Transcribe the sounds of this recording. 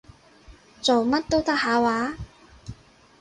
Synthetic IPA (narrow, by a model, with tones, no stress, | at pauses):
t͡so˨wmɐ˥t̚t̪o˥wt̪ɐ˥k̚haː˨˧˥waː˨˥